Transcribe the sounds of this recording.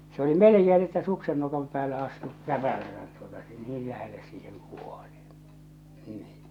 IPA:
se oli mĕlekeː nĭ etːæ suksen nokɑm pæːlːe ɑstu kæpælæsæt tuotɑ niːl læhelːes siːheŋ kuol̥i̥ niː

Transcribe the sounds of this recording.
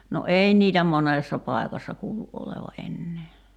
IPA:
no ei niːtæ moneˑsːɑ pɑˑi̞kɑsːɑ kuːluʔ ʔoleʋɑ ʔenːeː

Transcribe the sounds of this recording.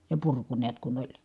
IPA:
jɑ purku niæt kun olʲ

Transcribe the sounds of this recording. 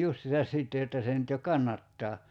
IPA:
justisɑs siˑtːe jotːɑ se nyt jo kɑnːɑtːɑː

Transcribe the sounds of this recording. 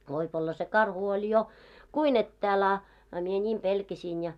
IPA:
ʋoip olːɑ se kɑrhu olʲ jo kuin etːæːl ɑ ɑ mie nʲiːm pelkæsiːn jɑ

